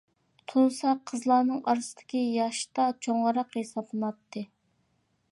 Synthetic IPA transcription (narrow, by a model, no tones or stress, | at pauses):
t̪ʰunsɑqʰːəzlˠɑːnɨŋɑɾsɨd̪̥ɪ̥kʲijɑʃt̪ɑt͡ʃʰoŋʁəɾɑqhesɑblˠɨnɑt̪ʰːɨ